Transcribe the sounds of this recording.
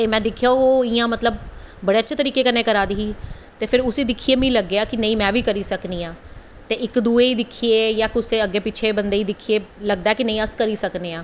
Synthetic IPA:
t̪eːmɛ̃ːd̪ɪkʰːjaːoːɪjãːmət̪ləbbəɽeːətːʃʰeːt̪əɾiːkeːkəneːkəɾaːd̪iːɦiː | t̪eːpʰɪɾʊsiːd̪ɪkʰːiːeːmĩːləɡːeaːkɪnəĩːmɛ̃ːʋiːkəɾiːsəkniːãː | t̪eːʔɪkd̪uːeːiːd̪ɪkʰieːjaːkʊseːəɡːeːpɪt͡ʃʰeːbənd̪eːiːd̪ɪkʰːieːləɡd̪aːɛːkɪnəĩːəskəɾiːsəkneːãː

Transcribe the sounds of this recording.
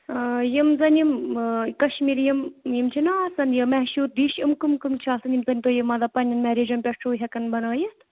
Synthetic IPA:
jimzɐnʲimkɐʃmiːɾjimjimt͡ʃʰinasɐnjəmɛɦʃuːɾd̪iʃimkɨmkɨmt͡ʃʰaːsɐnimzɐnʲt̪oːjimɐd̪apɐnʲɐnmɛɾeːd͡ʒɐmpʲɐʈʈʰuːɦʲɐkɐnbɐnəːjɐt̪

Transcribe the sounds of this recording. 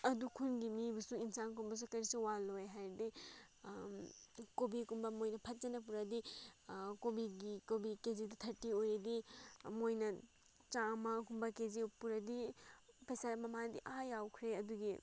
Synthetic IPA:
ɐdukʰunɡimibɐsuinsankumbɐs̬ukɐjɾisuwalojɦajɾdi | kobikumbɐmojnɐpʰɐt̚d͡ʒɐnɐp̬uɾɐdi | kobiɡikobikezidɐtʰɐɾtːiojɾɐdimojnɐ | t͡ʃamɐkumbɐkezipuɾɐdipʰesaɾmɐmadiʔajawkʰɾeɐduɡi

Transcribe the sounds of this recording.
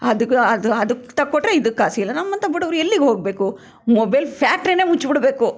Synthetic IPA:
ɐd̪uɐd̪ɐd̪ukːt̪ɐkːoʈːɾeid̪ukːaːsiilːɐnɐmːɐnt̪ɐbiɽɐʋɾuelːiɡeɦoːɡ̚beːku | mobɐjlpʰaːk̚ʈɾine̞ːmut͡ʃːbiɽbe̞ːku

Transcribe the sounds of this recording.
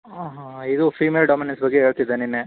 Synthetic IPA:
aːɦãid̪ufɾiːmeːlɖaːminensbɐɡːeɦeːɭt̪id̪ːeninːe

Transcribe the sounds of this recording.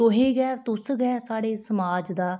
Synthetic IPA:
oɦeːɡɛːt̪ʊsɡɛːsaːɽeːsəmaːd͡ʒd̪aː

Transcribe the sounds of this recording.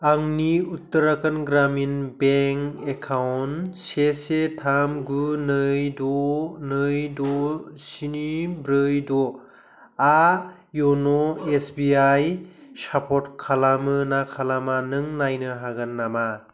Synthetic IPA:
aŋniutːɯɾakanɡɾaminbeŋekʰawnsesetʰamɡunɯjdɔnɯjdɔsinibɾɯjdɔ | a | jɔnɔesbiajsapʰɔtkʰalamɯnakʰalamanɯŋnajnɯɦaɡanːama

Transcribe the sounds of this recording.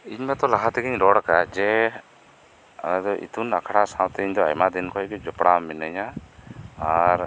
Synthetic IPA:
iɲmɛt̪ɔlaɦat̪ɛɡiɲɾɔɽakad͡ʒɛ | a̰nad̪ɔʔḭt̪unakʰaɽasãwt̪ɛiɲd̪ɔa̰jmad̪inkʰɔɛɡɛd͡ʒɔpɽamɛnəɲa | aɾ

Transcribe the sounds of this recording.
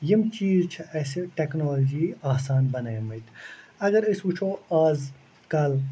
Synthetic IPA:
jimt͡ʃiːzt͡ʃʰɐʔɐseʈeknoːld͡ʒiːaːsaːnbɐnaːjmɐjt̪ʰɐɡɐɾɪsut͡ʃʰoːaːz | kɐl

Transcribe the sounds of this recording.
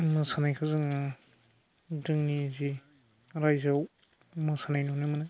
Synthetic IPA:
mɯsanajkʰazɯŋ | dɯŋnizi | ɾajzaw | mɯsanajnɔnɯmana

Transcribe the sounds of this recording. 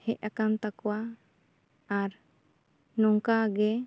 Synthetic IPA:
hɛʔ̚akant̪akɔwa | ɾ | nɔŋkaɡɛ

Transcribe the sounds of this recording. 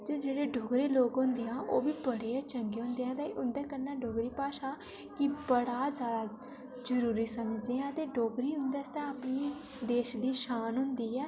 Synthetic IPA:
d͡ʒeːd͡ʒeːɽeːɖʱoːɡɾeːloːɡɦʊ̃nd̪eːãːʔoːbiːbəɽeːt͡ʃəŋɡeːɦõːnd̪eãːt̪ẽʔʊnd̪ɛːkəɾnaːɖʱoːɡɾiːpaːʃaː | kɪbəɽaːd͡ʒjaːd̪aː | d͡ʒəɾuːɾiːsəməd͡ʒd̪eːãːt̪eːɖʱoːɡɾiːɦʊ̃nd̪ɛːst̪ɛ̃ːəpniː | d̪eːʃd̪iːʃaːnɦʊ̃nd̪iːɛː

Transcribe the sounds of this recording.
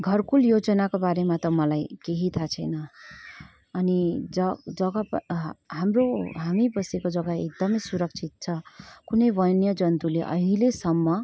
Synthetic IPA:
ɡʱʌrkuljod͡zʌnakobaɾemat̪ʌmʌlajkeɦit̪ʰat͡sʰʌjnʌ | nid͡zʌd͡zʌɡʌpɦamroɦamibʌsekod͡zʌɡaek̚d̪ʌmʌjsuɾʌk̚t͡sʰit̪̚t͡sʰʌkunʌjbʌjnjʌd͡zʌnt̪uleʔʌ̰ɦĩlesʌmːʌ

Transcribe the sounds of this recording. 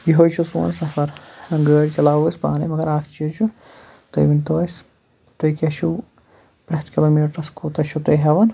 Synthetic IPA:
jiɦojt͡ʃʰusṵːnsɐfɐɾhɐŋɡəːɽt͡ʃɐlaːwusʲpa̰ːnɐmɐɡɐɾaːkʰt͡ʃʰit͡ʃʰu | t̪o̰jʋint̪oːs | t̪ojkʲɐʃʰu | pɾɐht̪kʲiloːmiːʈɐskuːt̪ɐʃʰut̪ɐjɦeʋɐn

